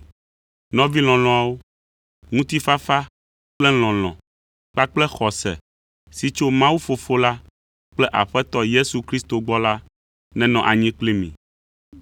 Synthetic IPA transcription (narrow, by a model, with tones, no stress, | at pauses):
nɔ̃˦vi˦l̃ɔ̃˨l̃ɔ̃˨a˨wo˦ | ŋũ˦t̪i˦fa˦fa˦ | k͡plɛ˦l̃ɔ̃˨l̃ɔ̰̃˨ | k͡pa˦k͡plɛ˦xɔ˨sɛ̰˨ | si˦t͡ʃo˦mã˦wu˦fo˨fo˦la˦ | k͡plɛ˦ʔa̰˨ɸɛ˦t̪ɔ˦je˦su˨kɾi˦st̪o˨ɡ͡bɔ˦la˦ | nɛ̃˨nɔ̃˨ʔa˨ɲĩ˦k͡pli˦mḭ̃˨